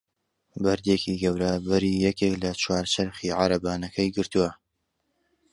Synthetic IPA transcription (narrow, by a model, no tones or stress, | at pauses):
bɐɾd̪ekiːɡɐwɾabɐɾiːjɛkeklɐt͡ʃwaːɾt͡ʃʰɐɾχiʕaɾɐbaːnɐkʰɐjɡɨɾt̪uwɐ